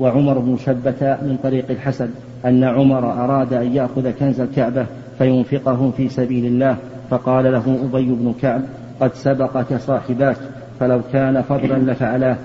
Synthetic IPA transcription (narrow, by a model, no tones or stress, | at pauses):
waʕʊmɑɾˤʊbnʊʃabːat̪amɪnt̪ˤɑɾiːqɪlħasan | ʔanːaʕʊmɑɾˤɑʔɑɾˤɑːd̪aʔanjaʔxʊðakanzalkaʕba | fajʊnfɪqʊɦʊmfiːsabiːlɪlːaːh | fɑqɑːlalaɦʊʔʊbajːʊbnʊkaʕb̚ | qɑd̪sabɑqɑkasˤɑːħɪbaːk | falawkaːnafɑd̪ˤlanlafaʕalaːh